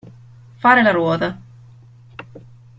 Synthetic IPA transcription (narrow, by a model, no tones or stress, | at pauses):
faːɾelaɾwɔːd̪ɐ